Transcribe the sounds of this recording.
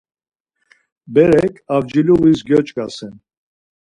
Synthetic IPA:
bɛɾɛkʰavd͡ʒiluvisɡjɔt͡ʃʼkʼasɛn

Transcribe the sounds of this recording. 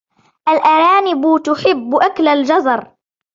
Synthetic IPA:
ʔalʔaɾˤɑːnɪbʊt̪ʊħɪbːʔaklald͡ʒɑzˤɑɾˤ

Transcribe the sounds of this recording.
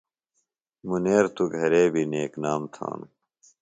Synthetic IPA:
muneːɾt̪uɡʱɐɾeːbʱineːknaːmt̪ʰa̰ːnu

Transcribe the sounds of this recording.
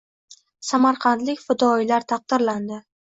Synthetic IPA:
samaɾqʰɑnt̪lɪkʲfɪd̪ɒjlaɾt̪ʰɑq̚d̪ɪɾland̪ɪ

